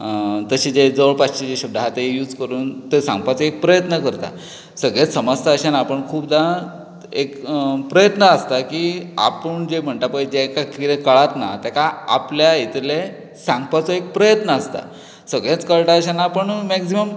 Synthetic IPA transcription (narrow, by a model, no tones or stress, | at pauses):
t̪əɕiːd͡ʑed͡zəʋəɭpaɕid͡ʑeɕəb̚d̪ʱaɦat̪eejuːd͡zkəɾuːnt̪esã̰ŋɡpat͡sɔek̚pɾəjət̪nəkəɾt̪a̰ | səɡɭet͡ssəməst̪ʰaəɕanaːpəɳkʰuːpd̪a | ekpɾəjət̪nəəst̪akiːa̰pəɳd͡ʑem̤əɳʈ̪apəid͡ʑekakiɾekəɭat̪na̰t̪jakaa̰pljait̪ʰle | sãŋɡpat͡sɔek̚pɾəjət̪nəəst̪a̰ | səɡɭet͡skəɭʈaəɕanaːpəɳmæksiməm